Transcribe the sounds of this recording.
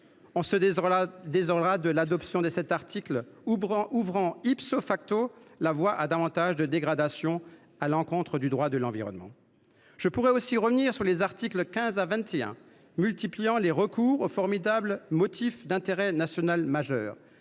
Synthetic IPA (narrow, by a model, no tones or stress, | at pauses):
ɔ̃səd̪ezɔʁlʁad̪əlad̪ɔpsjɔ̃d̪əsɛt̪aʁt̪ʰikl | uvʁɑ̃ipsofak̚t̪olavwaʔad̪avɑ̃t̪aʒd̪əd̪eɡʁad̪asjɔ̃ | alɑ̃kɔ̃t̪χəd̪yd̪ʁwad̪əlɑ̃viʁɔ̰nmɑ̰̃ | ʒ̥əpuʁɛosiʁəvniʁsyʁlezaʁt̪ikləkʲɛ̃zavɛ̃t̪eɛ̰̃ | mylt̪iplijɑ̃leʁəkuːʁofɔʁmid̪abləmɔt̪ʰifd̪ɛ̃t̪eʁɛnasjɔnalmaʒœ̰ːʁ